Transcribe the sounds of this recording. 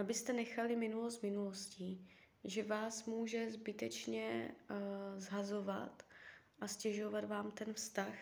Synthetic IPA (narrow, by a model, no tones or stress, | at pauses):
ʔabɪst̪ɛnɛxalɪmɪnulost̪mɪnulo̞sciː | ʒɛvaːsmuːʒɛzbɪt̪ɛt͡ʃɲɛ | zɦazo̞va̰t̪ | ʔascɛʒo̞vat̪vaːmt̪ɛnfst̪ax